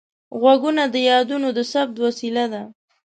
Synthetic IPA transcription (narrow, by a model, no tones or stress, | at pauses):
ɣwaɡunad̪əjɑd̪unod̪əsab̚d̪wasilad̪a